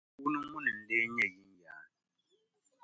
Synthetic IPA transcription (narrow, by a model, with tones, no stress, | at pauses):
u˦ni˦mu˦ni˨n̩˨de˦ɲɛ˦˨ɡi˦n˦jaː˨˦n˨